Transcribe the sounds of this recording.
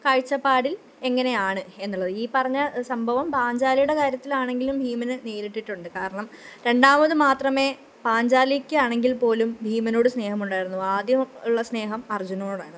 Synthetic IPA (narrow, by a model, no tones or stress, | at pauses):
kaːɻt͡ɕːɐpːaːɽil | e̞ŋːɐne̞jaːɳɨenːuɭːɐðɨiːpɐrɐɲːɐsɐmbʱɐʋɐmpaːɲd͡ʑaːlijuɽe̞kaːɾjɐt̪ːilaːɳe̞ŋɡilumbʱiːmɐnɨneːɾiʈːiʈːuɳɖɨkaːɾɐɳɐm | ɾe̞ɳɖaːmɐðɨmaːt̪rɐme̞ː | paːɲd͡ʑaːlikʲːɨaːɳe̞ŋɡilpo̞ːlumbʱiːmɐno̞ːɽɨsne̞ːɦɐmuɳɖaːjiɾunːuaːd̪jɐuɭːɐsne̞ːɦɐmɐrd͡ʑunɐmoːɽaːjɾnːðɨ